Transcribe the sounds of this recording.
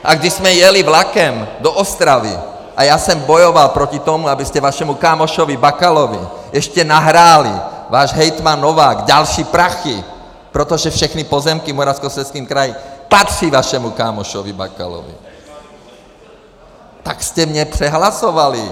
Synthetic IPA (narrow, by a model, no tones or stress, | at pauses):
ʔaɡd̪izmɛjɛliʋlakɛmd̪ɔʔɔst̪ɾaʋḭ | ajasɛmbɔjɔʋalpɾɔcit̪ɔmuabiscɛʋaʃɛmukaːmɔʃɔʋibakalɔʋḭ | ɛʃcɛnaɦɾaːlḭʋaːʒɦɛjt̪manːɔʋaːɡɟalʃiːpɾaxḭ | pɾɛt̪ɔʒɛfʃɛxnipɔzɛmkimɔɾaʊskɔsɛskiːmkɾajimpat̪riʋaʃɛmukaːmɔʃɔʋiba̰ka̰lɔ̰ʋḭ | t̪akscɛmɲɛprɛɦlasɔʋali